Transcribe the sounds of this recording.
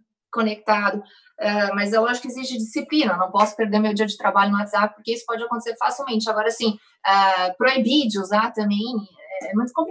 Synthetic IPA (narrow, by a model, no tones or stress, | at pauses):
kõnek̚t̪ad̪ʊ | ɛmɐzewaʒʊkɪeziʃt͡ʃɪd͡ʒisiplĩnɐewnɐ̃w̃pɔsʊ̥peɾd̪eɾmewd͡ʒiɐd͡ʒɪt̪ɾabaʎʊnʊat̪z̥apɪpʊɾkeisʊ̥pɔd͡ʒɪakõt̪eseɾfasiwmẽnt͡ʃɪaɡɔɾɐsĩ | apɾoibid͡ʒɪʊzat̪ɐmẽj̃ɛɛmũj̃t̪ʊkõp